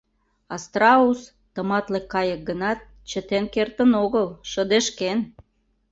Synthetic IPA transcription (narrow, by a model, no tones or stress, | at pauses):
ɑst̪rɑus | t̪əmɑt̪lekːɑjək̚ɡənɑt̪̚ | t͡ɕə̆t̪enkert̪ənoɣəlʃəd̪eʃken